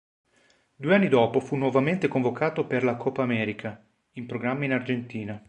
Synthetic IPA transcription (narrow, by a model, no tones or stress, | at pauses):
d̪ueanːid̪ɔːpofunːwɔvament̪ekoɱvokaːt̪operlakʰɔpːaːmɛːɾikʰa | impɾoɡɾamːainard͡ʒent̪iːna